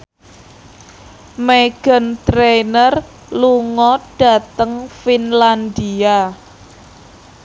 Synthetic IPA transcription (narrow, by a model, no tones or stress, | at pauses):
meɡ̥ə̤nt̪ɾenər | luŋɔɖ̥a̤t̪əŋfinland̪ia